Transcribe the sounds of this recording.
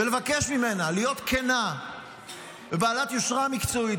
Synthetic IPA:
velevakeʃmime̞nalijo̞t̪kʰena | vebaːlat̪joʃʁamikt͡so̞it

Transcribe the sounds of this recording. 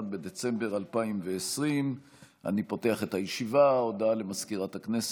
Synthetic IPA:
d̪be̞d̪e̞t͡se̞mbe̞ʁalpaimveːsʁim | a̰nipo̞te̞aχe̞t̪ajeʃivaod̪ale̞maskiʁat̪haknes

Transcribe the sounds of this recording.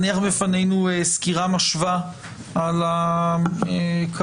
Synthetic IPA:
niaχbefanejnueskiʁamaʃva | ala | ekʰa

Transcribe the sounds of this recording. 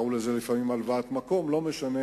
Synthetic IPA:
ulezelifamimalvat̪mako̞mlo̞meʃane

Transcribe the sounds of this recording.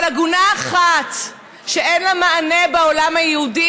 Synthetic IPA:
laɡunaːχat̪ | ʃeʔenlamaːnebeolamajeudi

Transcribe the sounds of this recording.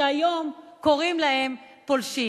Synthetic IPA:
ajo̞mko̞ʁimlahe̞m | polʃi

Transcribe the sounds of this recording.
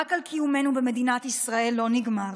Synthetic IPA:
akalkʰijume̞nubemed̪inat̪isʁae̞lːo̞niɡmaʁ

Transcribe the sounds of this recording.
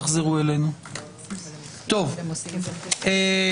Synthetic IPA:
χzeʁuelenu | t̪o̞v | e

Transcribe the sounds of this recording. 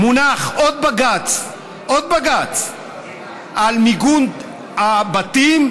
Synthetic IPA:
munaχod̪̚baɡat͡s | ʔod̪̚baɡat͡s | ʔalmiɡun | abat̪im

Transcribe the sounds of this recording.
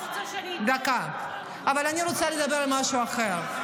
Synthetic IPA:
d̪aka | avalaniɾot͡saled̪abe̞ʁalmaʃuaχeʁ

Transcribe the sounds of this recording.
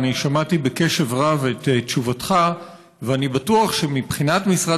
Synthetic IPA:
niʃamatibeke̞ʃe̞vʁavetetːt͡ʃuvatχa | veanibatuaχʃe̞mipχinatmisʁa

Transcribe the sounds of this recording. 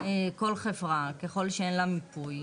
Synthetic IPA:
eko̞lχevʁakeχo̞lʃeenlamipuj

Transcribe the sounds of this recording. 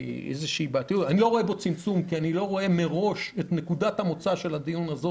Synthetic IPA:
ḛzeʃiːbat̪ijutanilo̞ʁo̞e̞bo̞t͡simt͡sumkianilo̞ʁo̞e̞me̞ʁo̞ʃet̪ne̞kudathamo̞t͡saʃe̞lad̪ijunazo

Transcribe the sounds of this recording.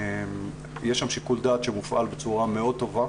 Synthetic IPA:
m | jeʃːamʃikuld̪at̪ʃemufʔalbet͡suʁame̞o̞d̪̚t̪o̞va

